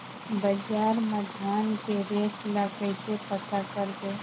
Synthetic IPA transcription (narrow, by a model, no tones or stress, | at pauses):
bəd͡ʒaːɾməd͡ʒʱaːnkeɾeːkʰlaːkəsepət̪akəɾɡ̪e